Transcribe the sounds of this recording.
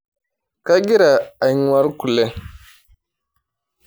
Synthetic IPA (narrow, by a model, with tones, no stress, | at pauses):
ka˦ɡi˦ɾa˨a˨˦wa˦ɾku˨le˦